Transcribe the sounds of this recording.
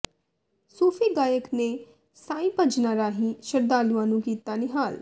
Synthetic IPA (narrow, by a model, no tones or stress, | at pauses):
soːpʰiːɡaːjəkneː | saːĩːpəd͡ʒnaːɾaːɦĩːʃəɾd̪aːluãːnũːkiːt̪aːnɪɦaːl